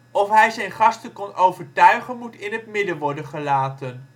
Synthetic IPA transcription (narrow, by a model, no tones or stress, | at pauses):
ɔfɦɛjzɛjnχɑstənkɔnowvəɹtœɥχənmutɪnɦətmɪdəʋɔɹdənχəlaːtən